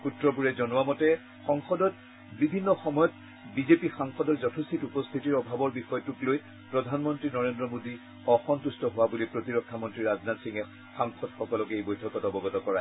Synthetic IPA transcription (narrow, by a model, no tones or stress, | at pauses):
utɹɔp̬uɹɛzɔnʊwamɔtɛ | xɔŋxɔdɔt | bibʱinːɔxɔmɔjɔt̚ | bizepixaŋxɔdɔɹzɔtʰust̪ʰitupɔst̪ʰitiɹɔbʱabɔɹbixɔjɔtukloj | pɹɔdʱanmɔntɹinɔɹendɹɔmodi | ɔxɔntustɔɦʊwabulipɹotiɹɔkʰːamɔntɹiɹaznatsiŋɛ | xaŋxɔdxɔkɔlɔkejbojtʰɔkɔtɔbɔɡɔtɔkɔɹa